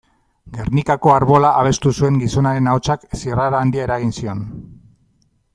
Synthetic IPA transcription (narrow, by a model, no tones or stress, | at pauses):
ɡe̞rnikako̞aɾβo̞laʔaβ̞e̞st̪usue̞ŋɡiso̞naɾe̞naot͡ʃaksiraɾaːnd̪iaeɾaɣ̞insio̞n